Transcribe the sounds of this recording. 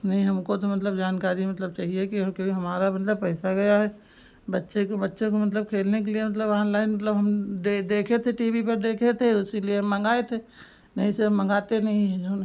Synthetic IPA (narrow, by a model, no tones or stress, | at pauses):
nɐɦĩɦɐmkot̪omɐt̪̬ləbd͡ʒaːnkaːɾimɐt̪ləb̚t͡ʃaːɦiekikoiɦɐmaːɾamɐt̪ləbpɛːsaɡɐjaɦɛː | bɐtːʃekobɐtːʃõkomɐt̪ləb̚kʰeːlnek̬eliemɐt̪ləbaːnlaːɪnmɐt̪ləbɦɐmd̪ed̪eːkʰet̪ʰeʈiːbipɐɾd̪eːkʰet̪ʰeʊsilieɦɐmːɐ̃ŋɡaːet̪ʰe | nɐɦĩseɐmːɐ̃ŋɡaːt̪enɐɦĩɦɛ̃d͡ʒoːn